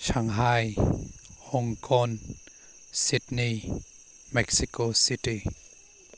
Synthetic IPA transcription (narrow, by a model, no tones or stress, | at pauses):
ʃʰaŋɦaj | hoŋkʰɔn | sitni | mɛk̚sikositi